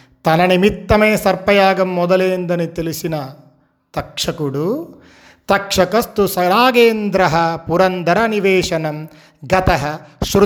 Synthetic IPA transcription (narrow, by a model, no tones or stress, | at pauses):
t̪ɐnɐnimit̪ːɐmeːsɐɾpɐjaːɡɐmːɔd̪ɐleːind̪ɐnit̪ilisinɐ | t̪ɐkʂɐkuɽu | t̪ɐkʂɐkɐst̪usɐɾaːɡeːnd̪ɾɐɦɐpuɾɐnd̪ɐɾɐniʋeːʂɐnɐm | ɡɐt̪ɐɦɐʃɾ